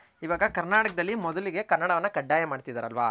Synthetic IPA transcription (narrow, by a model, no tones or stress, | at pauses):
iʋaːɡɐkɐɾnaːʈɐkɐd̪ɐlːimɔd̪ɐliɡe̞kɐɾnːɐɽɐʋɐnːɐkɐɖːaːjɐmaːɽt̪id̪aːɾɐlʋa̰